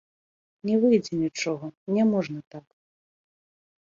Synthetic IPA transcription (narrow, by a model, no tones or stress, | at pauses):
nʲɛvɨjd͡zʲɛnʲit͡ʂɔɣɐnʲɛmɔʐnɐt̪ak